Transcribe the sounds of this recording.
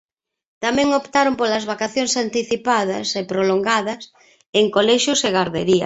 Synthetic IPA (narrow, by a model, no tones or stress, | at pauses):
t̪amɛ̃ŋopt̪aɾompolɐzβakaθjoŋsant̪iθipaðɐ̰sepɾoloŋɡaðɐs | eŋkolɛʃʊseɣaɾðeɾiɐ̰